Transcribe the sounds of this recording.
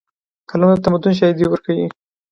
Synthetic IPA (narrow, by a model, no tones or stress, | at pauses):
kʰalamd̪ət̪amad̪ʊnʃ̬ɑjid̪iwəɾkawi